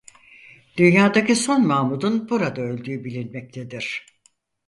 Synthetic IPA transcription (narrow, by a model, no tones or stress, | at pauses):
d̪̥ynjaːd̪akciso̞nmaːmud̪unbuɾad̪aø̞lʲd̪yːbilʲinmɛc̚t̪ʰe̞d̪iɾ̥